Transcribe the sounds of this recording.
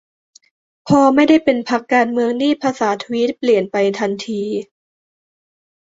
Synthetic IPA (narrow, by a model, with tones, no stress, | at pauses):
pʰɔː˧ma˥˩jda˥˩jpe˧npʰa˦˥kːaː˧nmɯ˧əŋniː˥˩pʰaː˧saː˩˦t̪ʰu˧wi˦˥t̪̚pli˨˩ənpa˧jt̪ʰa˧nt̪ʰiː˧